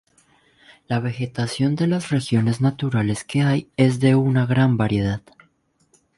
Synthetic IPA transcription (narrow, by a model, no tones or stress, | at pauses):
laβe̞xe̞t̪asjo̞nd̪e̞lasre̞xjo̞ne̞znat̪uɾale̞ske̞aje̞zðe̞unaɣɾambaɾje̞ð̞að̥